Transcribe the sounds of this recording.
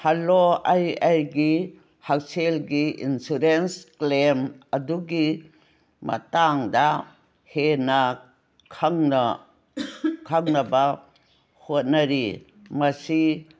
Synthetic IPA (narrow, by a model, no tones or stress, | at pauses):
haloajajɡi | hak̚selɡiḭnsuɾensklemɐduɡi | mɐ̰taŋda | henɐ | kʰaŋna | kʰaŋnɐba | hot̚nɐɾi | mɐsi